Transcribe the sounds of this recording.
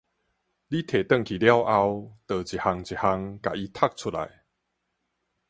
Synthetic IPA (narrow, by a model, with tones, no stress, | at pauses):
li˦t̪ʰe˨˩t̪ə˥˧˨ŋkʰi˨˩lja˦wʔa˧wt̪əː˨˩t͡ɕi˨˩ha˧ŋt͡ɕi˨ha˧ŋka˨i˧t̪ʰa˥˧˨k̚t͡sʰu˥la̰˨˦j